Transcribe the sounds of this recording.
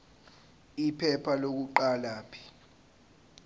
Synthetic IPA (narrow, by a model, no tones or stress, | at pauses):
ipʰɛpʰalok̬uǃalaːpʰi̥